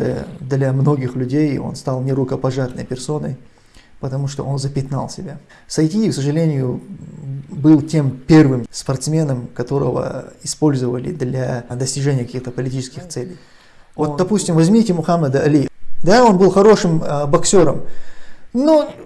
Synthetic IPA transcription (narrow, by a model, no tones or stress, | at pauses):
d̪lʲɐmno̞ɡʲɪxlʲʉdʲejo̞̰nst̪alˠnʲɪɾʊkəpɐʐat̪nə̰jpʲɪrso̞nəj | pət̪ɐmuʂt̪o̞̰ʔo̞nzəpʲɪt̪na̰lˠsʲɪbʲa | sɐjt̪ʲiɪksəʐɨlʲenʲɪjʊ | bɨlˠtʲe̞mpʲe̞rvɨmspɐrt̪smʲe̞nəmkɐt̪o̞ɾə̰və̰ɪspo̞lʲzəvəlʲɪ̰d̪lʲad̪əsʲtʲɪʐɛnʲɪjəkɐkʲixt̪əpəlʲɪtʲit͡ɕɪskʲɪxt̪sɛlʲɪ̰j | vod̪ɐpusʲtʲɪmvɐzʲmʲitʲɪmʊxaməd̪əɐlʲid̪ao̞nbɨlˠxɐɾo̞ʂɨmbɐksʲo̞ɾə̰m | no